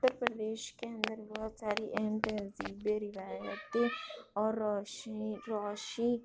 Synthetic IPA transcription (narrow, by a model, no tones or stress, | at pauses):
t̪ːəɾpɾəd̪eːʃkeɐ̃nd̪əɾbɔɦʊt̪saːɾiʔɛɦɛmt̪ɛ̃ziːbeɾɪʋaːjət̪ɔːɾ | ɾaːʃi